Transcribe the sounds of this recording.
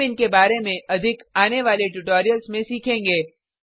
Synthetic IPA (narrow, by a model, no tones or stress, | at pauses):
ɪnkebaːɾemẽʔɐd̪ʱɪkaːneʋaːleʈʊʈoːɾijəlzmẽsiːkʰẽːŋɡeː